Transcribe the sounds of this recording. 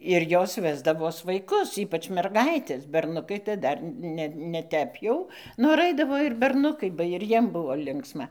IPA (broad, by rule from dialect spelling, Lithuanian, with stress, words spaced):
ɪr ˈjoːs ˈʋʲæːzdɐʋoːs ʋɐɪˈkʊs ˈiːpɐt͡ʃ mʲɛrˈɡɐɪtʲɛs bʲɛrˈnʊkɐɪ tɐɪ ˈdɐr ˈnʲɛ nʲɛ ˈtʲɛp jɛʊ noːr ˈɐɪdɐʋoː ɪr bʲɛrˈnʊkɐɪ bɐ ɪr ˈjiɛm ˈbʊʋoː ˈlʲɪŋksmɐ